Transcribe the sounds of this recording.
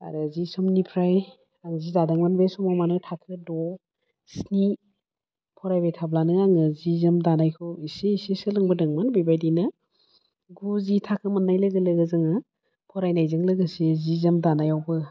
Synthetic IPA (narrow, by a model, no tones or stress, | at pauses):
a̰ɾɯzisɔmnipʰɾaj | aŋzizadaŋmanbesɔmamanɯtʰakʰɯdɔ | sni | pʰɔɾajbejtʰablanɯaŋɯzizɐmdanajkʰɯisiːsisɯlɯŋbɯdɯŋmanbibajdina | ɡuzitʰakʰɯmɐnːajlɯɡɯlɯɡɯzɯŋɯ | pʰɔɾajnajzɯŋlɯɡɯsizizɐmdanajawbɯ